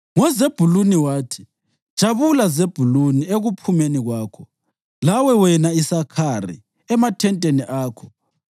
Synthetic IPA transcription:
ŋɔzeb̥ʱuluniwaːtʰi̥ | d̥ʒ̥ʱaβulazeb̥ʱulunieɣupʰumeniɣwaːkʰɔ | lawɛwɛnaisakʰarḭ | ɛmatʰɛntʼeniʔaːkʰɔ̥

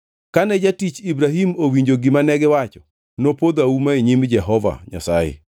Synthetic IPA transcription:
kanɛd͡ʒatit͡ʃibɾaɦimowiɲd͡ʒoɡimanɛɡɪwat͡ʃɔ̥ | nopod̪aumaeɲimd͡ʒɛɦɔva̰ɲa̰sa̰jḛ

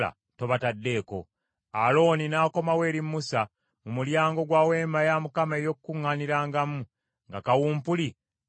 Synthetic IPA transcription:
a̰ | to̞βatadːe̞ːko̞̰ | alo̞ːninaːko̞mawe̞ːɾimːusa | mumuljaːŋɡo̞ɡwaːwe̞ːmajamukame̞jo̞kukuŋːaniɾaːŋɡamu | ŋɡakawuːmpuli

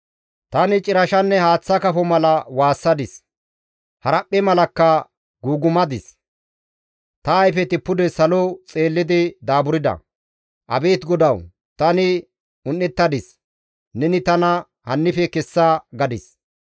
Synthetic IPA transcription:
t̪ɐnɪt͡ʃʼɪɾɐʃɐnːɛhaːt͡sːɐkɐfɔmɐlɐwaːsːɐd̪ɪs | hɐɾɐpʼːɛmɐlɐkːɐ | ɡuːɡʊmɐd̪ɪs | t̪ɐːjfɛt̪ɪpːʊd̪ɛsɐlɔt͡sʼeːlːɪd̪ɪd̪aːbʊɾɪd̪ɐ̰ | ʔɐbe̞ːt̪ɡɔd̪ɐw | t̪ɐnɪ | ʊnːɛt̪ːɐd̪ɪs | nɛnɪt̪ɐnɐ | hɐnːɪfɛkɛsːaɡɐd̪ɪs

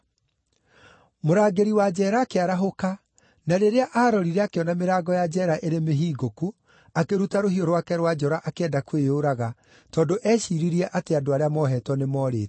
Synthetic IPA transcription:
moɾaːɡeɾiwad͡ʑɛɾaːkeaɾaɦoka | naɾeɾeaʔaɾɔɾiɾɛakeɔnameɾaːɡɔjad͡ʒɛɾaʔeɾemeɦiːɡoku | akeɾutaɾohiɔɾwakɛɾwad͡ʒɔɾaʔakeɛdakwejoɾaɣa | tɔːndoʔɛʃiːɾiɾiɛʔateadoaɾeamɔɦɛtwɔnemɔɾḛːt

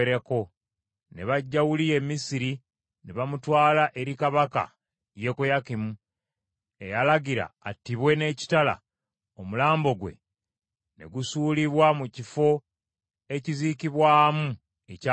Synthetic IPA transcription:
eɾeko̞ | ne̞βaɟːawulie̞mːisiɾi | neβamutwaːlaʔe̞ɾikaβaka̰ | je̞kujakimu | e̞jalaɡiɾa̰ːtːiβwe̞ne̞ːci̥tala̰ | omulaːmbo̞ɡwe̞̰ | ne̞̰ɡusuːliβwamucifo̞ | e̞ciziːkiβwaːmu | eca

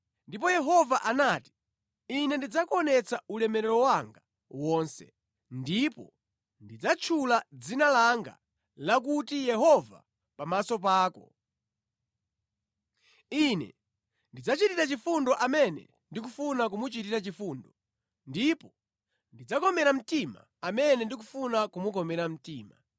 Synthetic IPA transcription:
ndipɔjɛɦɔvaʔanaːti̥ | inɛndid͡zakɔnɛt͡saulɛmɛɾɛɾɔwaŋɡa | wɔːnsɛ̰ | ndipɔ̰ | ndid͡zat͡ʃʰulad͡zinalaŋɡa̰ | lak̬utijɛɦɔva̰ | pamasɔp̬aːkɔ̰ | inɛ̰ | ndid͡zat͡ʃitiɾat͡ʃifundɔʔamɛnɛ̰ | ndik̬ufunak̬umut͡ʃitiɾat͡ʃifuːndɔ | ndipɔ | ndid͡zakɔmɛɾam̩tima̰ | amɛnɛndik̬ufunakumukɔmɛɾam̩tiːma̰

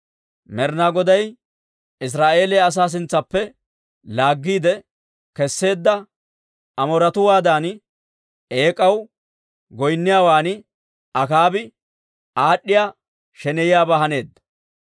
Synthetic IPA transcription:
mɛɾnaɡɔd̪ɐj | ɪs̬ɾaːʔe̞ːlɛːɐs̬aːs̬ɪnt͡sːɐpːɛ | laːɡːiːd̪ɛ | kɛsːe̞ːd̪ːɐ | ɐmɔɾɐt̪ʊwaːd̪aːn | e̞ːkʼɐw | ɡɔjnːɪjaːwaːnɪ | ɐkaːbɪ | ʔaːɗːɪjaː | ʃɛnɛjjaːbɐɦɐne̞ːd̪ːɐ

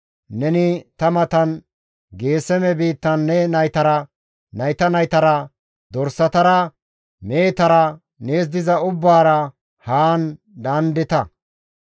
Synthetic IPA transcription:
nɛnɪt̪ɐmɐt̪ɐn | ɡe̞ːsɛmɛbiːt̪ːɐnːɛnɐjt̪ɐɾɐ | nɐjt̪ɐnɐjt̪ɐɾɐ | d̪ɔɾsɐt̪ɐɾɐ | me̞ːt̪ɐɾɐ | ne̞ːs̬d̪ɪzɐʊbːaːɾɐ | haːn | d̪ɐnd̪ɪt̪ɐ

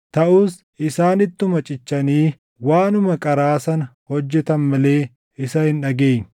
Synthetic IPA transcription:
t̪ɐʔuːs | ʔɪsaːnɪt̪ːʊmɐt͡ʃʼɪt͡ʃːɐniː | waːnʊmɐkʼɐɾaːsɐnɐhɔd͡ʒːɛt̪ɐnmɐle̞ː | ɪsɐhɪnᶑɐɡeːn

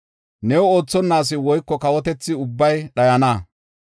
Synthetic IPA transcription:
nɛwoːt͡sːɔnːaːs̬ɪwɔjkːɔkɐwɔt̪ɛt͡sːɪʊbːɐjɗɐjɐnaː

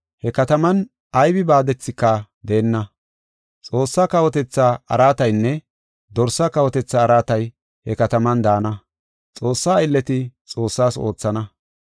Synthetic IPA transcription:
hɛkɐt̪ɐmɐn | ʔɐjbɪbaːd̪ɛt͡sːɪkːɐd̪eːnːɐ | t͡sʼo̞ːsːaːkɐwɔt̪ɛt͡sːaɐ̰ɾaːt̪ɐjnːɛ | d̪ɔɾsakɐwɔt̪ɛt͡sːɐːɾaːt̪ɐj | hɛkɐt̪ɐmɐnd̪aːnɐ | t͡sʼo̞ːsːaːɪlːɛt̪ɪt͡sʼo̞ːsːaːso̞ːt͡sːɐnɐ

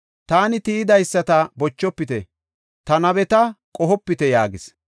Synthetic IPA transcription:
t̪aːnɪt̪iɪd̪ɐjsːɐt̪ɐbɔt͡ʃːɔpːɪt̪ɛ | t̪ɐnɐbɛt̪ɐkʼɔɦɔpːɪt̪ɛjaːɡɪs

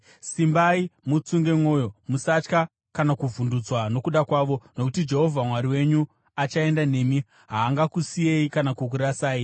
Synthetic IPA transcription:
simbaimut͡suŋɡe̞mwo̞ːjo̞musat͡ʃka | kanakuvundud͡zwano̞kuɗakwaːʋo̞no̞kutid͡ʒe̞ɦo̞vʱamwaɾiwe̞ɲu | at͡ʃae̞ndane̞mi | ɦaːŋɡakusije̞ikanakuk̬uɾasaːji

